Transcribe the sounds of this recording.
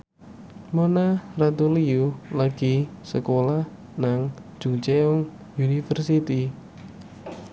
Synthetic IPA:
monarat̪uliulaɡ̥isəkolah | naŋ̥d͡ʒ̥ut͡ʃeɔŋ | junifərsit̪i

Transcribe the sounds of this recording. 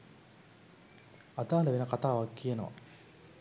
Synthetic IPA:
ad̪aːlɐʋenɐkat̪aːʋakːijeno̰ʋa̰

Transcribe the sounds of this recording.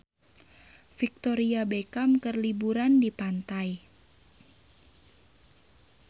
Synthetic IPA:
fik̚t̪oɾiabekamkərlibuɾandipant̪aj

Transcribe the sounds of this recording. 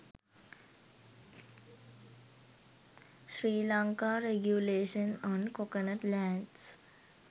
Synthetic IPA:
ʃɾiːlaŋkaːɾeɡjuleːʃənɔ̃nkokənəʈlæːɳɖs

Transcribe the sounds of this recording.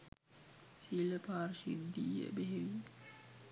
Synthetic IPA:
siləpaːɾʃid̪ːiə̰beɦeʋi

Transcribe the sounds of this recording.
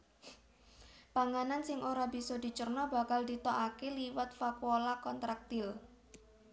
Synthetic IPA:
paŋanansɪŋʔoɾab̥i̤sɔd̪i̤t͡ʃərnɔba̤kald̪it̪ɔʔakeliwət̪̚fakwolakɔnt̪ɾak̚t̪ɪl

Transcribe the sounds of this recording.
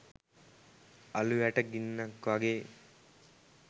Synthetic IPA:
ɐluʋæʈəɡinːɐkʋaɡeː

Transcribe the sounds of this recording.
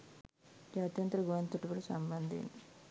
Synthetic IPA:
d͡ʒaːt̪jɐnt̪ɾɐɡuʋɐnt̪ːuʈubulusɐmbɐnd̪ḭni

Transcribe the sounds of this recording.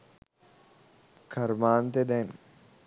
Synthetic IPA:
kʰɐɾmaːnt̪ed̪ɛn

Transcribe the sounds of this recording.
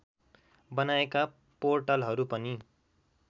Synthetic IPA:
bʌnaeka | porʈʌlɦʌɾupʌni

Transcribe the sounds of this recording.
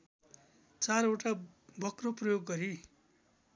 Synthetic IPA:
t͡saɾoʈabʱʌkroprʌjoɡːʌɾi

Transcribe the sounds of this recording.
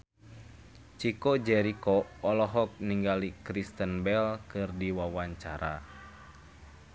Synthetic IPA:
t͡ʃikɔd͡ʒɛɾikɔɔlɔɦɔk̚niŋɡalikɾist̪ənbɛlkɨrdiwawaɲt͡ʃaɾa̰

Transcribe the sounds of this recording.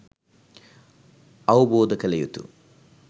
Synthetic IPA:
ɐwboːd̪ɐkɐlɐjut̪ṵ

